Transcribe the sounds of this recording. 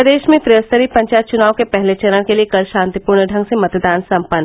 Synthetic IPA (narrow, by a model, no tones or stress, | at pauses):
əd̪eːʃmẽfɾijəst̪əɾipɐ̃ɲt͡ʃaːjt̪̚t͡ʃʊnaːʋõkepɛɦlet͡ʃɐɾə̃ɽ̃keliekɐlʃãːnt̪ipuːɾɳəɖʱɐ̃ŋɡsemɐt̪d̪aːnsɐ̃mpən